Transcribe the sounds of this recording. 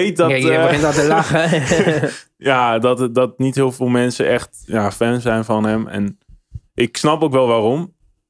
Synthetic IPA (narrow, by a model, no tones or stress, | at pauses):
ejt̚dɔbəɪntɔtəlɑχə | jaːdɔtdɔtnitɦɪːlˠvɪlˠmɛnsəʔɛχtjaːfɛnzɛjnfɑnɦɛmɛ̰nʔɪksnɑpowk̬ʋɛlˠʋaːrɔm